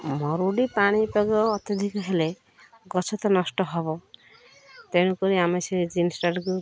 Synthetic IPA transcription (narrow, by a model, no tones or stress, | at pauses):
mɔɾuɽipaɽ̃ipeɡɔːt̪jɔd̪ʱikɦele | ɡɔt͡ʃʰɔt̪ɔnɔsʈɔɦɔbɔ | t̪eñukɔɾiameseid͡ʒinsʈaɾɡu